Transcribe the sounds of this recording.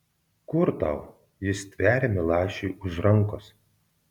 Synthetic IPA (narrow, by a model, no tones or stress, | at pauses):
kʊɾt̪ɑ̰ʊ | jɪst̪ʲʋʲæːɾʲemʲɪlˠɑːʃʲeːʊʒɾɐŋˑkos